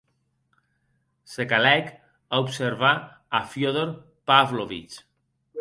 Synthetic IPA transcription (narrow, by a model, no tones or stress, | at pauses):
sekalɛk | aupseɾβaː | fjoðoɾ | pavloβḭt͡ʃ